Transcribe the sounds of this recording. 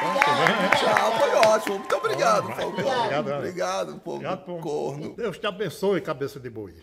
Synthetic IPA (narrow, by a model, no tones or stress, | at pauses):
ɐ̃bẽj̃ʒafojɔt͡ʃimʊmũj̃t̪obɾiɡad̪ʊpokoɾiɡad̪bɾiɡad̪ʊpo̰ɡad̪pokoɾnʊ̰d̪ewst̪ɪabẽsoɐkabesɐd̪ɪbojɐ